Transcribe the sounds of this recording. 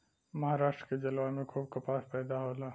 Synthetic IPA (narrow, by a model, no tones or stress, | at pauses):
mɐɦaːɾaːʃʈɾked͡ʒɐlwamẽkʰuːb̚kɐpaːspɛːd̪aɦoːlaː